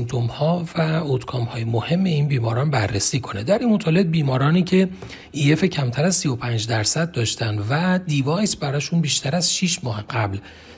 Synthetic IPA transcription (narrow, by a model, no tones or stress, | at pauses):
nt̪ʰomhɒːvæot̪kʰɒːmhɒːjemohe̞mːe̞iːnbiːmɒːɾɒːnbærːesiːkʰo̞ned̪æɾinmot̪ʰɒːle̞b̚biːmɒːɾɒːniːcʰe̞ | iːe̞fecʰæmt̪ʰæɾæzsijo̞pʰænd͡ʒd̪æɾsæd̪̚ːɒːʃt̪ʰænd̪væd̪ivɒːjsbæɾɒːʃunbiːʃt̪ʰæɾæzʃiːʃmɒːheɢæbl